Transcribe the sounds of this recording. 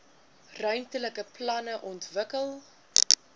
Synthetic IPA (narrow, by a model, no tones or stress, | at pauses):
rœɥntələkəplɐnəʔɔntvəkəlˠ